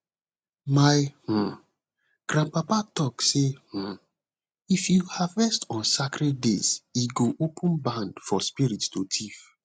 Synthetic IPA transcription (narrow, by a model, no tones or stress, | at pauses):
maɪh̩ | ɡ̥ɾãnpapatɔkseh̩ | ifjuhavɛstɔ̃nsakɾɛddeziɡoʔopʰə̃nbãndfɔspiɾittotʰif